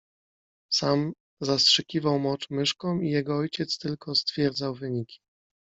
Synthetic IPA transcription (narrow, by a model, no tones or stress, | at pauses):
sam | zastʂɘkʲivawmɔt͡ʂmɘʂkɔ̃mijɛɡɔɔjt͡ɕɛt̪st̪ɘlkʰɔst̪fʲjɛɾd̪zawvɘɲikʲʰi̥